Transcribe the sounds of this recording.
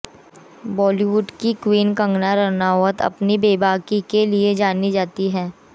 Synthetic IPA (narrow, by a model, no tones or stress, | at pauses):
bɔːliʋʊɖkikwiːnkə̃ŋɡnaɾɐnaːwət̪ɐ̰pnibeːbʱaːkikelied͡ʒaːnid͡ʒaːt̪iɦɛː